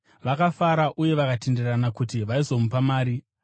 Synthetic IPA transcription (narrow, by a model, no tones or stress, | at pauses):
ʋakafaɾaʔuje̞ʋakate̞nderanakutiʋaizo̞mupamaːɾi